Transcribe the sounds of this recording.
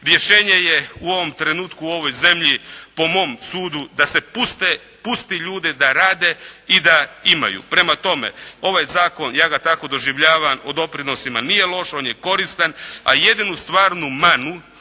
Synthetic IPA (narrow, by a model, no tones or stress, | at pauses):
ɾje̞ʃe̞ːɲe̞je̞uo̞ʋo̞mt̪ɾe̞nuːt̪kuo̞ʋo̞jze̞mʎipo̞mo̞ːmsuːd̪ud̪ase̞pust̪e | pust̪iʎuːd̪ed̪aɾaːd̪e̞id̪aima̰jṵːpɾe̞mat̪o̞me̞̰o̞ʋaːjzaːko̞njaːɡat̪ako̞d̪o̞ʒiʋʎaːʋamod̪o̞pɾino̞simanije̞lˠo̞ʃo̞ːnje̞ko̞ɾist̪ana̰je̞d̪inust̪ʋaːɾnumanu